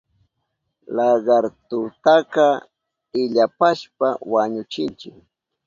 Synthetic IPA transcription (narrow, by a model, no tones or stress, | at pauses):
lɑɢɑɾt̪ʊt̪akɑ | ɪʎapaʃpawaɲʊt͡ʃɪnt͡ʃɪk